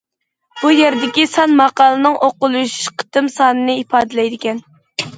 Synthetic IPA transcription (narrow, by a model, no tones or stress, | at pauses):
b̥ujeɾd̪ɪkʲisɑnmɑqɑːlˠɨnɨŋʔoqʊlˠuʃu̥ʃqʰə̥t̪ɨmsɑːnɨnɨipʰɑːd̪ɨlɛjd̪ɪkʲɛn